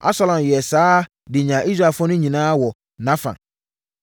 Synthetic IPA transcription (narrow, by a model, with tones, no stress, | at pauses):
a̰˦sa˦lɔ̃˨mjɛ˨saː˦ | dɪ˨ɲã˨ʔi˦s̬ɾa˦˨fɔ˦nʊ̃˦ɲĩ˨nãː˦wɔ˨ | nã˦fã̰˨